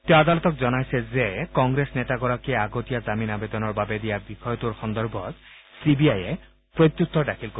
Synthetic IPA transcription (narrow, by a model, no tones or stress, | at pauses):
t̪ewad̪alɔt̪ɔkzɔnajsɛzekɔŋɡɹesnetaɡɔɹakieaɡotijazaminabed̪ɔnɔɹbabed̪ijabixɔjɔtuɹxɔnd̪ɔɹbʱɔt̪ | sibiaje | pɹot̪juk̚t̪ʰːɔdakʰilko